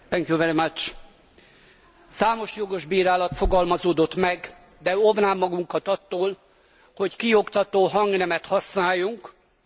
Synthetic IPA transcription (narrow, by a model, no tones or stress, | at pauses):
t̪ɛŋkjuvɛɾimɐt͡ʃ | saːmo̞ʃjo̞ɡo̞ʒbiːɾaːlɒt̪fo̞ɡɒlmɒzoːd̪o̞t̪mɛɡ | d̪ɛovnaːmːɒɡuŋkɒt̪ɒt̪ːoːl | ho̞ckio̞kt̪ɒt̪oːɦɒŋɡnɛmɛt̪hɒsnaːjːuŋk